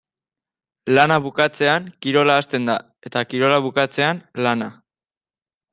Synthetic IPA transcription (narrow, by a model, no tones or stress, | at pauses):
lanaβukat͡se̞aŋkiɾo̞laːst̪e̞nd̪a | e̞t̪akiɾo̞laβukat͡se̞anlana